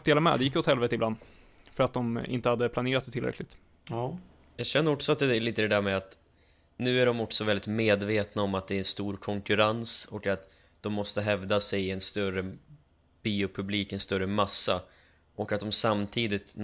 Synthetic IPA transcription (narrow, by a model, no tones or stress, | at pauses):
d̪eːlamɛ̰d̪ɛjɪkːot̪hɛlveːt̪əɪbland̪ | fœɾat̪̚d̪ɔmɪ̰nt̪əhad̪ːəpʰlaneːɾat̪d̪ɛt̪ʰɪlɾɛ̰klɪɡ̚t̪ | jɑːɡɕɛnːəɾɔksɔat̪̚d̪ɛɛliːt̪əd̪ɛd̪æːɾmɛat̪ | nʉ̟ːæɖɔmɔksɔvɛld̪ɪt̪meːd̪veːt̪naɔmat̪̚d̪ɛːɾɛnst̪uːɾkʰɔŋkɵɾansɔkat̪ | d̪̥ɔmːɔst̪əɦɛvd̪asɛjɪɛnst̪œɾə | b̥iːʊpʰɵbliːkɛnst̪œɾːəmasːa | ʔɔkat̪̚d̪ɔmsamt̪ʰiːd̪ɪt̪